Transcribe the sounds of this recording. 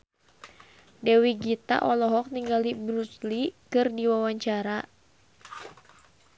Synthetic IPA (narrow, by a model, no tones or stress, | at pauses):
dɛwiɡit̪a̰ʔɔlɔɦɔk̚niŋɡalibɾuslikɨrdiwawaɲt͡ʃaɾa